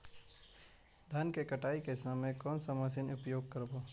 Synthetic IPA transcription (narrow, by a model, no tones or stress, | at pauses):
d̪ʱənkekəʈaːikesamẽkɔːnsəməsɪnʊpjoːɡ̚kəɾboː